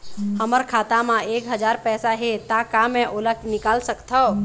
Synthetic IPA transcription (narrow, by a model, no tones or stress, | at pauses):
həməɾkʰat̪amãekɦəd͡ʒaɾpɛsaɦet̪akameʔoləknikalsəkt̪ʰəw